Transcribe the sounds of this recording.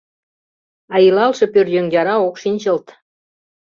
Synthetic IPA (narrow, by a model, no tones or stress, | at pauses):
ɑjilɑlʃɤ̆pørjøŋjʲɑɾɑokʃinʲt͡ɕɤ̆lt̪